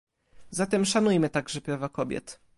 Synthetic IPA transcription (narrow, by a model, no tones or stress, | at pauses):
zat̪ɛmʂanujmɘt̪aɡʐɛpɾavakɔbʲjɛ̰t̪